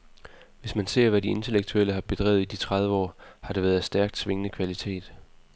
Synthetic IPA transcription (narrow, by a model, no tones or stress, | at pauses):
ʋe̝smænse̝ɐ̰ʋædie̝nt͡sʰe̝leɡ̥̚t͡sʰuel̰əɦɑ̈b̥e̝d̥ʁɛ̰ʊð̩ˠid̥it͡sʰʁɑð̞ˠʋəɒ̰ːhɑ̈ɾ̥e̝ʋæːð̩ˠsd̥æɐɡ̥̚d̥sʋe̝ŋənəkʰʋælit͡sʰe̝̰ːd̥